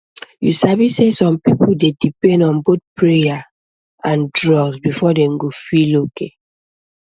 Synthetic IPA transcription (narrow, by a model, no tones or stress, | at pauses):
jusavisesɔ̃mpipuldedipɛ̃ndɔ̃nboθ̚pɹeja | ãndɹɔɡsbifɔdɛ̃mɡofiloke